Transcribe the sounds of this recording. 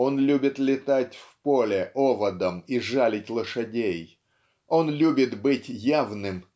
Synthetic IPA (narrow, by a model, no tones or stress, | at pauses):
o̞nlʲubʲɪt̪lʲɪt̪atʲfpolʲɪʔo̞vəd̪əmiʐalʲɪtʲlˠəʂɨdʲej | o̞nlʲubʲɪt̪bɨtʲjavnɨm